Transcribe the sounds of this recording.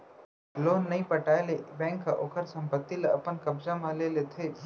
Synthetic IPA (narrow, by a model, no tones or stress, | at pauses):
loːnːɐɦĩpəʈaːelebɛ̃ːŋkːaʔoːkʰəɾsɐ̃mpət̪ːileɐpənkɐbd͡ʒamãlelet̪ʰe